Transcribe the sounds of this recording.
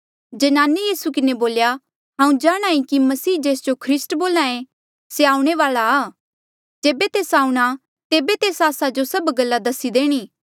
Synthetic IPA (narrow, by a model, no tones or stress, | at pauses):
d͡ʒɐnaːnejiːsukɪneboːlja | ɦãːũd͡ʒaːɽ̃ãːĩkimɐsiːd͡ʒeːsd͡ʒokʰɾɪsʈboːlãːẽ | seaːũɽ̃eʋaːlaaː | d͡ʒeːbet̪eːsaːũɽ̃a | t̪eːbet̪eːsaːsad͡ʒosɐbɡɐlːad̪ɐsːid̪eːɽ̃iː